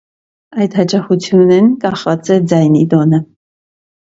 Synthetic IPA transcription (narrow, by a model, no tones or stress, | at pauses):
ɑjd̪hɑt͡ʃɑχut͡sʰjunɛnkɑχvɑt͡sɛd͡zɑjnid̪ɔnə